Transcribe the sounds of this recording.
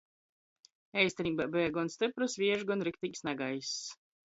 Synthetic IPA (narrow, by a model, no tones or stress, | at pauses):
ɛjsʲt̪ɛnʲiːbabɛːɡɔnst̪ɨpɾusvʲiɛʒɡɔnɾikt̪ikʲsnaɡajs